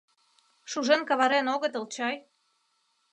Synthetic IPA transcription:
ʃuʒenkɑβɑɾenoɣə̆t̪ɤlt͡ɕɑj

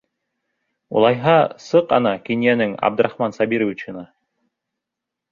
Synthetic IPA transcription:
ṵlˠɑjɦɑsɤqɑ̰nɑkinjænɘŋɑ̰b̚d̪ɤ̆ɾɑχmɑnsɑbiɾovʲit͡ɕɤ̆nɑ

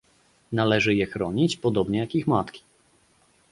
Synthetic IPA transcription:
nalɛʐɘjɛxɾɔɲit͡ɕpɔd̪ɔbɲɛjakixmat̪kʲi̥

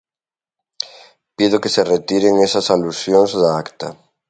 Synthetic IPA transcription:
pið̞okeseret̪iɾeŋesɐsalusjoŋzðaakt̪a̰

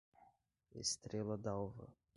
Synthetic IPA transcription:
ḛst̪ɾelɐd̪awvɐ̰

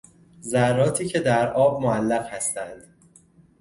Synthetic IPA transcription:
zærːɒːt̪ʰiːcʰe̞d̪æɾʔɒːb̚moælːæʁhæst̪ænd̪̥

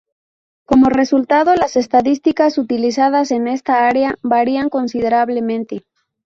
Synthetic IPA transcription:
ko̞mo̞re̞sult̪aðo̞lase̞st̪aðist̪ikasut̪ilisað̞ase̞ne̞st̪aaɾeabaɾiaŋko̞nsið̞e̞ɾaβle̞mẽnt̪e̞

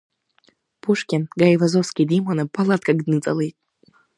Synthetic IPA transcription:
pʰuʂkʲinɡajvazofskʲidimanapʰalat̪̚ʼkʼaɡdnɨt͡sʼa̰lejtʼ

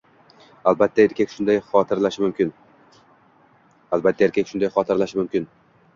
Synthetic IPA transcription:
alˠbat̪ʰːaeɾkʲakʲʃʊnd̪ajχɒt̪ʰɪɾlaʃɪmʊmkʲɪn | alˠbat̪ʰːaeɾkʲakʲʃʊnd̪ajχɒt̪ʰɪɾlaʃɪmʊmkʲɪn

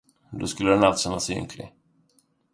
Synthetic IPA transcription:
d̪oskɵlːədɛnalt̪sɛnasɵ̰ŋkʰlɪ̰

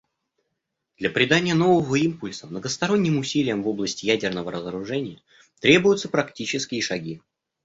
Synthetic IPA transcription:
d̪̥lʲɐpɾʲɪd̪anʲɪjəno̞vəvəimpʊlʲsəmnəɡəst̪ɐɾo̞nʲːɪmʊsʲilʲɪjəmvo̞blˠəsʲtʲɪjædʲɪrnəvəɾəzəɾʊʐɛnʲɪjə | t̪ɾʲe̞bʊjʊt̪səpɾɐktʲit͡ɕɪskʲɪːʂɐɡʲi

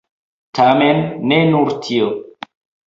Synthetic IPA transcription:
tʰamenːe̞nuɾtʰio

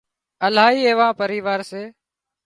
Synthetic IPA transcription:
əlaːɦiːeːʋãːpəɾiːʋaːɾseː

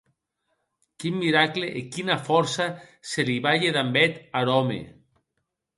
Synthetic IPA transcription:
kimːiɾakleʔekinafɔɾsaseliβaʎeðambɛt̪aɾɔmḛ

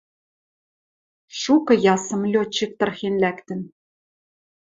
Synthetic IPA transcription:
ʃukɤ̆jɑsɤ̆mlʲot͡ɕːĭk̚t̪ɤ̆rxenlækt̪ɘ̆n

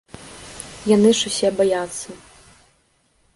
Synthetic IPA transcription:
janɨʂusʲɛbajat̪sːɐ

